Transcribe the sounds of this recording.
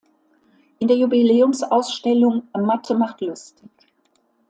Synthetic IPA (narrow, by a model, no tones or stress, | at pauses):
ʔɪndeːɐjubileːʊmsʔaʊsʃtɛlʊŋmatʰəmaχtlʊstɪç